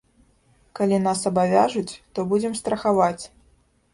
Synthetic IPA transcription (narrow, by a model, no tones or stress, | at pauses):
kalʲinasɐbavʲaʐut͡sʲt̪ɔbud͡zʲɛmst̪ɾɐxavat͡sʲ